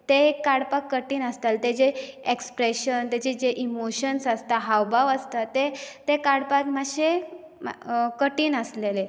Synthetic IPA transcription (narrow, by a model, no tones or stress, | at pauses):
t̪ekaɽpakːəʈiːnəst̪alt̪ed͡ʑeekspɾeɕənt̪ed͡ʑed͡ʑeʔimoɕənsəst̪aɦawbʱaʋəst̪at̪ːet̪ekaɽpakmaɕe | kəʈiːnəslele